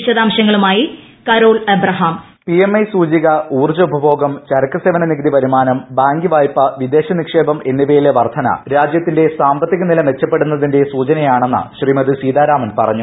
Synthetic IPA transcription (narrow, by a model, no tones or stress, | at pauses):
ɕɐd̪aːmɕɐŋːɐɭumaːji | kɐɾo̞ːɭɐbɾɐɦaːm | pie̞mːɐjsuːd͡ʑiɣɐuːrd͡ʑɐubʱɐbʱo̞ːɡɐmt͡ɕɐɾɐkːɐseːʋɐnɐniɣɐd̪ipɐɾumaːnɐmbaːŋɡiʋaːjpːɐʋid̪e̞ːɕɐnikʂeːbɐme̞nːiʋejileʋɐrt̪ʰɐnɐ̰ɾaːd͡ʑjɐt̪ːinde̞saːmbɐt̪ːiɣɐnilɐmʋe̞t͡ɕːɐpːe̞ɽunːɐðinde̞suːt͡ɕɐnɐjaːɳenːɐ̰ɕrimɐðɨsiːd̪aːɾaːmɐnpɐ̰rɐɲːu